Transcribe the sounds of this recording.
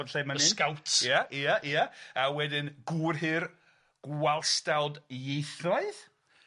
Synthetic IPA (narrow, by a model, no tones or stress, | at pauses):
ɔdɬejmənɪkawtʰjaʔiaʔiaawɛdɪnɡurɦɪr | ɡ̥walˠstalˠdjejθɔɨð